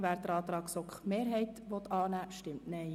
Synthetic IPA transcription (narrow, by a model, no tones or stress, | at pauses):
ʋæːɾd̪əɾɑːt̪ɾɑːksɔkχmeːɾɦɛɪt̪ʋɔt̪ɑːnæːʃtɪmtnɛɪ